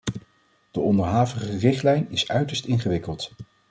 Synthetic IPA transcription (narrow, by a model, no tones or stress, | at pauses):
d̥əɔndəɹɦaːvəχərɪχtlɛjnɪsœɥtəɹstɪnχəʋɪkəlˠt